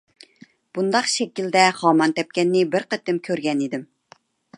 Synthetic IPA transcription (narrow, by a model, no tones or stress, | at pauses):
b̥und̪ɑqʃɛkʲild̪ɛχɑːmɑnt̪ɛp̚kʲɛnːɪbɪɾqət̪ːɪmkʲʰøɾɡʲɛnid̪ɪm